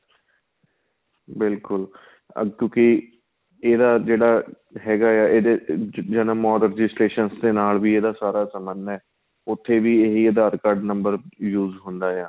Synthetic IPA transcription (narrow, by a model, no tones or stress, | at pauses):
bɪlkʊl̰ | kjõːki | eːd̪aːd͡ʒeːɽaː | ɦɛːɡaːjaːʔeːd̪eːd͡ʒənəmɔːd̪ɾd͡ʒɪsɾeːʃənsd̪eːnaːlʋiːeːd̪aːsaːɾaːsəmənɛː | ʊt̪ʰːeːʋiːeːɦiːeːd̪aːɾkaːɾɖnəmbəɾjuːzɦʊnd̪aːjaː